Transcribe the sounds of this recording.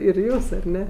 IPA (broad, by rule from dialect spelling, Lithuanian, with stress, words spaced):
ɪr ˈjuːs ɐr ˈnʲɛ